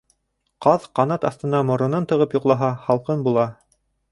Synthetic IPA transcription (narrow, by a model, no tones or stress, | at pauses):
qɑðqɑnɑt̪ɑθt̪ɤ̆nɑmŏɾŏnɤnt̪ɤ̆ʁɤpjŏqlˠɑɦɑχɑlˠqɤnbulˠɑ